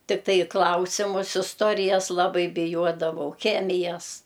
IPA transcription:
tʲɪkˈtɐɪ ɪ ˈklˠɐʊsʲɪmʊs ɪsˈtoːrʲɪjɛs lˠɐˈbɐɪ bʲɪˈjuɔdɐʋɐʊ ˈxʲæːmʲɪjɛs

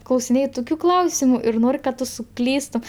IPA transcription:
klˠɐʊsʲɪˈnʲeːj ˈtʊkʲʊ ˈklˠɐʊsʲɪmʊ ɪr ˈnoːrʲ kɐt ˈtʊ sʊˈklʲiːstʊm

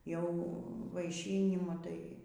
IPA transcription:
jɛʊ ʋɐɪˈʃʲiːnʲɪmʊ tɐɪ

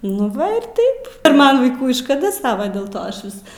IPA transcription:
nʊ ˈʋɐ ɪr ˈtɐɪp ɪr ˈmɐn ʋɐɪˈkuː ɪ ʃkɐˈdɐ ˈsɑːʋɐ dʲɛlˠ ˈtoː ˈɐʃ ˈʋʲɪs

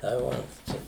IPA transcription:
tɐɪ ˈʋɐt ˈt͡ʃʲɛ

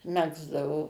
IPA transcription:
ˈmʲæːɡzdɐʋoː

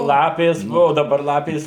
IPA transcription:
ˈlˠɑːpʲeːs ˈbuɔ dɐˈbɐr ˈlˠɑːpʲeːs

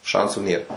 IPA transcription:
ˈʃɐnsuː nʲeːr

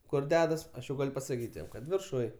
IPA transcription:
ˈkʊr ˈdʲæːdɐs ˈɐʃ jɛʊ ˈɡɐlʲ pɐsɐˈkʲiːtʲ jɛm ˈkɐt ʋʲɪrˈʃʊj

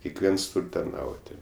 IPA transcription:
kʲɛkˈʋʲiɛns ˈtuːrʲ tɐrˈnɐʊtʲɪ

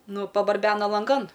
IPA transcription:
ˈnʊ pɐbɐrʲˈbʲæːnɐ lˠɐŋˈɡɐn

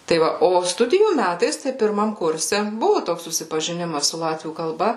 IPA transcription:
tɐɪ ˈʋɐ ˈoː ˈstʊdʲɪjuː ˈmʲætɐɪs tɐɪ pʲɪrˈmɐm ˈkʊrʲsʲɛ ˈbʊʋʊ ˈtoːks sʊsʲɪpɐʒʲɪˈnʲɪmɐs sʊ ˈlˠɑːtʲʋʲuː kɐlˠˈbɐ

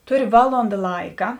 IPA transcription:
ˈtʊˌrʲɪ ˈʋɑːlˠoːndɐ ˈlˠɐɪkɐ

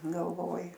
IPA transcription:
ɡɐlˠˈʋoːjɪ

